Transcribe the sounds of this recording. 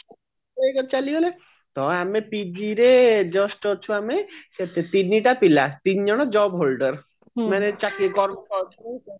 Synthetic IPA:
eekɔt͡ʃaliɦole | t̪ɔamepid͡ʒiɾed͡ʒɔsʈɔt͡ʃʰuameʃet̪et̪inːiʈapilat̪ind͡ʑɔɽ̃ɔd͡ʒɔbɦolɖəɾ | manet͡ʃakiɡɔɾkɔɾt͡ʃʰneitɔ

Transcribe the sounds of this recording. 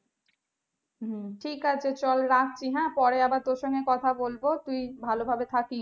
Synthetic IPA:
mʈʰikat͡ɕʰet͡ɕɔlɾat̪̚t͡ɕiɦɛ̃pɔɾeabaɾt̪oɾʃɔŋɡekɔt̪ʰabolbot̪ujbʱalobʱabet̪ʰaki

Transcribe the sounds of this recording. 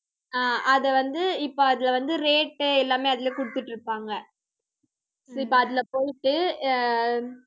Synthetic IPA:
aːɐðɛʋɐnd̪ɯɪpːoːɐðɪlɐʋɐnd̪ɯɾeːʈːɛlːaːmeːɐðɪleːkʊɽɯt̪ːɪʈːɪɾɯpːaːŋɡɐ | sɪpːoɐðɪlɐpoːjɪʈːɯ

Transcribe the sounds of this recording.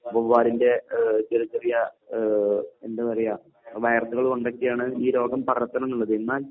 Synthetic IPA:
boʋːaːɾinde̞d͡ʑelɐd͡ʑerijɐ | endeʋɐrɐjɐ | ʋɐjɐrt̪uɣɐɭoɳɖɐkːijaːɳɨiːɾo̞ːɡɐmpɐrɐt̪ːɐnɐnːuɭːɐðɨinːaːl

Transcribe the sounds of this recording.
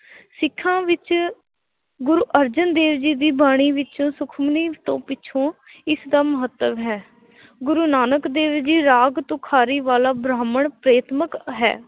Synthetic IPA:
sɪkʰːãːʋɪt͡ʃ | ɡʊɾuːʔəɾd͡ʒənd̪eːʋd͡ʒiːd̪iːbaːɽ̃iːʋɪt͡ʃõːsʊkʰmniːt̪õːpɪt͡ʃʰõː | ɪsd̪aːməɦət̪ːəʋɦɛː | ɡʊɾuːnaːnəkd̪eːʋd͡ʒiːɾaːɡt̪õkʰaːɾiːʋaːlaːbɾaːməɳpɾeːt̪məkɦɛ̰ː

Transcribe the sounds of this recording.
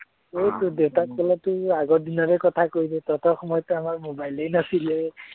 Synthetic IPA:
ojtʊdewtat̚kʰɔlatʊaɡɔdinɔɹɛkɔtʰakojdɛtɔtɔxɔmɔjɔtɛamaɹmobajlejnasilɛ

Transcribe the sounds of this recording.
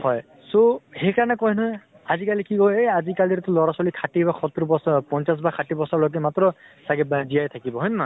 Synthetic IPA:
hɔj | sohejkaɹɔnɛkɔjnɔj | azikalikiɡojejazikaliɛt̪ʊlɔɹasɔlikʰatibaxʰɔt̪ːiɾɔbɔspɔnsas̬bakʰatibɔsɔɹlɔk̬ɛmat̪ɹɔsaɡɛbzijajt̪ʰakibɔɦɔjnna

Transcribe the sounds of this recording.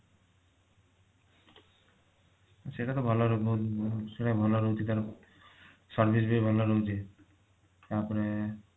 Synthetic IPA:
aseʈat̪obʱaloɾ | seʈabʱaloɾot͡ʃit̪aɾ | saɾbʱis̬beibʱaloɾot͡ɕʰe | apoɾe

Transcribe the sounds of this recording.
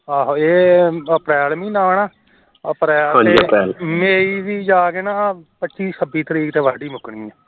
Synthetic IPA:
aːɦoːeːəpɾɛːlmĩːnaːɳaː | əpɾɛːlãːd͡ʒeiəpɾɛːlmeːiːʋiːd͡ʒaːkeːnaːpətːʃiːsəbiːt̪əɾiːkt̪eːʋaːɖiːmʊkɳ̃iːɛː

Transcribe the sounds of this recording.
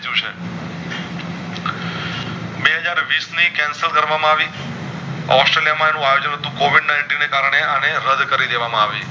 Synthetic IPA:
d͡ʒũt͡ʃʰe | beɦəd͡ʒaɾʋisnikɛ̃nsəlkəɾʋamãaʋi | ɔsʈɾelijamãenũajod͡ʒənɦət̪ũkoʋiɖnaɪɳʈinːekaɾɳ̃eañeɾəd̪kəɾid̪eʋamãaʋi

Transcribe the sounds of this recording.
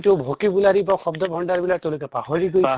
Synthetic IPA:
tubʱokibulaɾibaxɔbd̪ɔbʱɔɳɖaɹbilat̪ew̃lukɛpahɔɾiɡoj

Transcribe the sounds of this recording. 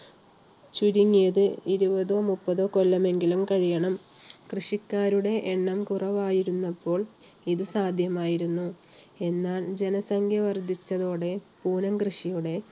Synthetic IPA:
t͡ɕuɾiŋːijɐðɨiɾubɐðo̞ːmupːɐðo̞ːko̞lːɐme̞ŋɡilumkɐɻijɐɳɐm | krɨʂikːaːɾuɽe̞ʔeɳːɐmkurɐʋaːjiɾunːɐpːo̞ːɭ | iðɨsaːd̪ʱjɐmaːjiɾunːue̞nːaːɭd͡ʑe̞nɐsɐŋkʰjɐʋɐrd̪ʱit͡ɕːɐðo̞ːɽe̞puːnɐmkrɨʂijuɽe̞

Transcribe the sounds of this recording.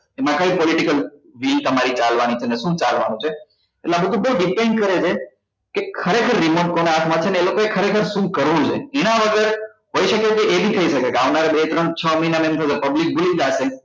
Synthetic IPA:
emãkəipɔliʈikəlʋilt̪əmaɾit͡ʃalʋanit͡ʃʰeneʃũt͡ʃalʋanũt͡ʃʰe | eʈlabəd̪ʱũbuɖipeɳkəɾet͡ʃʰe | kekʰəɾekʰəɾːimoʈ̚koneat̪ʰmãt͡ʃʰeneelokoekʰəɾekʰəɾʃũkəɾʋũt͡ʃʰeenãʋəɡəɾ | ɦoiʃəkekeʔebʱit̪ʰəiʃəkekeaʋnaɾebet̪ɾəɳt͡ʃʰəməinamemt̪ʰəd͡ʒepəblik̚bulĩd͡ʒaʃe

